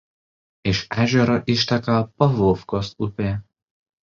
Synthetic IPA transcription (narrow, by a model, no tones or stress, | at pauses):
ɪʃæʒʲɛɾɔʔɪʃt̪ʲɛkɐpɐʋoːfkosupʲeː